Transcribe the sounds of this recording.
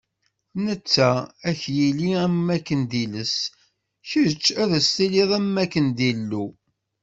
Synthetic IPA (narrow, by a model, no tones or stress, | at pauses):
nət͡sːææçjiliæmːækːənd̪iləs | çət͡ʃːæðəst̪iliðˤæmːækːənd̪ilːu